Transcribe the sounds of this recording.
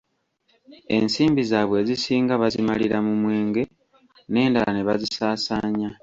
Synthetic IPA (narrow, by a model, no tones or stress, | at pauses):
e̞̰nsiːmbizaːβwe̞ːzisiːŋɡaβazimaliɾamumwe̞ːŋɡe̞ | ne̞ːndalaneβazisaːsaːɲa